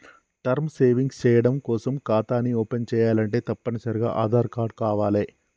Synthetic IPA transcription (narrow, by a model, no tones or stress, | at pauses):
ʈɐɾmseːʋiŋɡst͡ʃɛːjɐɽɐmkɔːsɐmkaːt̪aːniɔːpent͡ʃɛːjaːlɐɳʈe̞ːt̪ɐpːɐnɐsɐɾiɡa̰ːʔaːd̪ʱaːɾkaːɾɖkaːʋaːleː